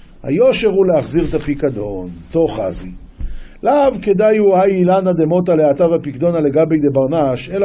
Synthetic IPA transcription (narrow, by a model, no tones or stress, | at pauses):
ha̰jo̞ʃeʁuleaχziʁt̪apikad̪o̞nt̪o̞χa̰zi | lavke̞d̪ajuajilanad̪emo̞t̪aleat̪avapikd̪o̞naleɡabejd̪e̞baʁnaʃe̞la